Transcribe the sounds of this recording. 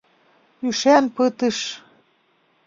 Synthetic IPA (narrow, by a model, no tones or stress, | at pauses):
yʃænpɤt̪əʃ